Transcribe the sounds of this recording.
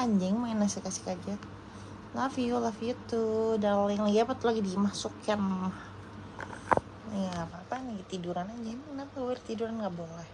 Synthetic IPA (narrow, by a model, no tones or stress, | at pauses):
aɲd͡ʒɛŋmanasɛkasi̥hkad͡ʒa | lafiulafiut̪udalɪŋlaɡiapat̪ulaɡidimasukjanmah | jaːpaːpanaɡit̪iduɾanaɲd͡ʒɛŋnapɛrt̪iduɾanŋɡaʔbolɛh